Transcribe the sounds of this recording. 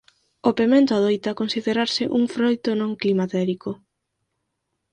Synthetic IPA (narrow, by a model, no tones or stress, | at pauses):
opemẽnt̪ʊað̞ojt̪ɐkonsiðeɾaɾsɪʔuŋfɾojt̪onõŋklimat̪ɛɾiko